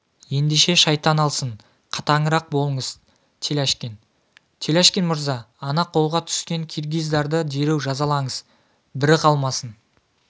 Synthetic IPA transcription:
je̞nd̪eʃe̞ʃɑjt̪ːɑnɑlˠsəɴ | qʰɑ̥t̪ɑɴəɾɑq̚bo̞lˠəɴəz̥ | t̪ʰe̞læʃkʲen | t̪ʰe̞læʃkʲenmʊɾzɑː | nɑqʰːo̞lˠʁɑt̪ʰʏ̥skʲe̞ŋkʲʰirɡʲijzd̪ɑɾd̪əd̪e̞ɾewʒɑzɑlˠɑɴəz̥ | bɪɾɪqʰɑlˠmɑsən

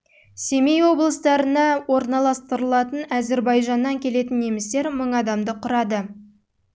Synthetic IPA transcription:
sʲe̞mejwo̞blˠəst̪ɑɾənɑwo̞ɾnɑlˠɑst̪əɾəlˠɑt̪ənæze̞ɾbɑjʒɑnːɑŋkʲʰe̞le̞t̪ɪnːe̞mɪst̪e̞ɾməɴɑd̪ɑmd̪əqʰʊɾɑd̪ə

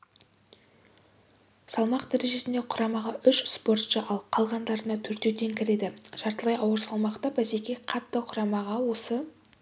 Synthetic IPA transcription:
sɑlˠmɑqd̪æɾe̞ʒe̞sɪnd̪eqʰʊɾɑmɑʁɑʔʏʃspo̞rt̪ʃəʔɑlˠqʰɑlˠʁɑnd̪ɑɾənɑt̪ʰɵɾt̪e̞wt̪e̞ŋkʲʰɪɾe̞d̪ɪʒ̥ɑɾt̪əlˠɑjɑwəɾsɑlˠmɑqt̪ɑbæsekʲeqʰɑt̪ːəqʰʊɾɑmɑʁɑwo̞sə

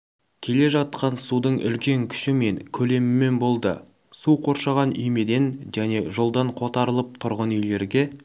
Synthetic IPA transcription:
kʲʰe̞le̞ʒɑt̪̚qɑnsud̪əɴʔʏ̰lkʲe̞ŋkʲʰʏ̥ʃɪme̞ŋkʲʰɵle̞mɪme̞nbo̞lˠd̪ə̰ | suqʰo̞ɾʃɑʁɑnʏjme̞d̪e̞nʒæne̞ʒo̞lˠd̪ɑɴqʰo̞t̪ɑɾəlˠəp̚t̪ʰʊɾʁənʏjle̞ɾɡʲe̞

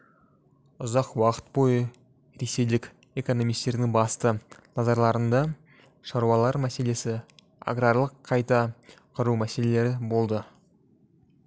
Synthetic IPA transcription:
ʊzɑqwɑqə̥t̪̚bo̞jə | ɾe̞se̞jlɪkʲ | e̞ko̞no̞mijst̪e̞ɾd̪ɪŋbɑst̪ənɑzɑɾlˠɑɾənd̪ɑ | ʃɑɾuwɑlˠɑɾmæse̞le̞sɪ | a̰ɡɾɑɾlˠəqʰːɑjt̪ɑqʰʊɾumæse̞le̞le̞ɾɪbo̞lˠd̪ə

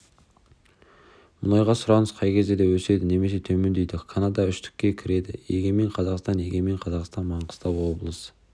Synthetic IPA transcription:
mʊlˠɑjʁɑsʊɾɑnəz̥qʰɑjkʲʰe̞zd̪e̞d̪ewɵse̞d̪ɪne̞me̞se̞t̪ʰɵme̞nd̪e̞jd̪ɪkʰanɑd̪ɑʏʃt̪ɪ̥kʲːe̞kʲʰɪɾe̞d̪ɪjeɡʲe̞me̞ɴqʰɑzɑqst̪ɑnje̞ɡʲe̞me̞ɴqʰɑzɑqst̪ɑnmɑɴqə̥st̪ɑwwo̞blˠəs

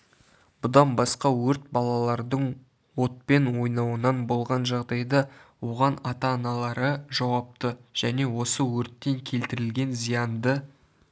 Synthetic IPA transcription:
b̥ʊd̪ɑnbɑsqɑwɵɾt̪̚bɑlˠɑlˠɑɾd̪əɴ | wo̞t̪̚pe̞nwo̞jnɑwənɑnbo̞lˠʁɑnʒɑʁd̪ɑjd̪ɑwo̞ʁɑnɑt̪ɑːnɑlˠɑɾəʒɑwɑp̚t̪əʒ̥æne̞wo̞səwɵɾt̪ːe̞ŋkʲʰe̞lt̪ɪɾɪlɡʲe̞nzijɑnd̪ə

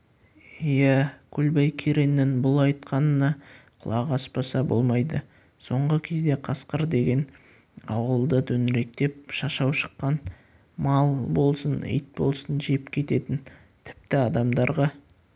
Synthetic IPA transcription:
jækʲʰʊlbɑjkʲʰeɾenːɪnbʊlˠɑjt̪qɑnənɑqʰʊlˠɑʁɑspɑsɑbo̞̰lˠmɑjd̪ə | so̞ɴʁəkʲʰe̞zd̪e̞qʰɑsqəɾd̪e̞ɡʲe̞n | ɑwəlˠd̪ət̪ʰɵnɾe̞k̚t̪e̞p̚ʃɑʃɑwʃə̥qːɑn | mɑlˠbo̞lˠsənɪ̰jt̪̚bo̞̰lˠsənʒe̞pkʲʰe̞t̪e̞t̪ɪn | t̪ʰɪ̥p̚t̪ɪɑd̪ɑmd̪ɑɾʁɑ

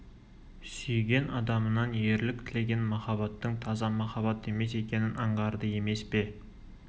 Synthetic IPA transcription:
sʏjɡʲe̞nɑd̪ɑmənɑnje̞ɾlɪk̚t̪ʰɪle̞ɡʲe̞nmɑχɑβɑt̪ːəɴt̪ʰɑzɑmɑχɑbɑt̪e̞me̞se̞kʲe̞nɪnɑɴʁɑɾd̪əje̞me̞spe̞

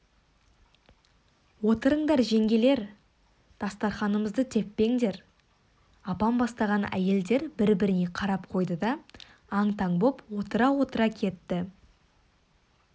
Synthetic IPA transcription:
wo̞t̪əɾəɴd̪ɑɾʒe̞ŋɡʲe̞le̞ɾ | d̪̥ɑst̪ɑɾχɑnəməzd̪ət̪ʰe̞pːe̞ŋd̪e̞ɾ | ɑpɑnbɑst̪ɑʁɑnʔæ̰je̞ld̪e̞ɾbɪɾbɪɾɪne̞qʰɑɾɑp̚qʰo̞jd̪əd̪ɑː | ɴt̪ʰɑɴbo̞pwo̞t̪əɾɑwo̞t̪əɾɑkʲʰe̞t̪ːɪ

